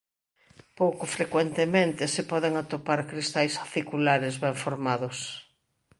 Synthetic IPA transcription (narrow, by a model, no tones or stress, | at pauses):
powkʊfɾekwent̪emẽnt̪ɪsɪpɔðeŋat̪opaɾkɾist̪ajsḁθikulaɾɪzβɛɱfoɾmaðʊs